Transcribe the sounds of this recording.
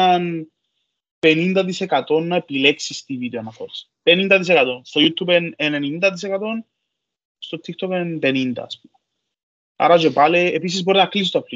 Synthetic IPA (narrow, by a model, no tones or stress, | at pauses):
ɐn | penind̪ɐt̪̬isekat̪o̞nːɐepile̞ksist̪ivid̪eonɐfoɾs | penind̪ɐðis̬ekat̪o̞nst̪o̞jut̪ʰːupenenenind̪ɐt̪̬is̬ekat̪o̞n | st̪o̞t̪ʰːikt̪o̞penpe̞nind̪ɐ̰ːspum | ɐ̰ɾɐd͡ʒepaleːpis̬izbo̞ɾinɐklis̬it̪opli